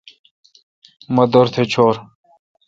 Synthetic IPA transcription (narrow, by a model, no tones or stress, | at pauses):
mɐd̪oɾt̪ʰet͡ɕʰoːɾ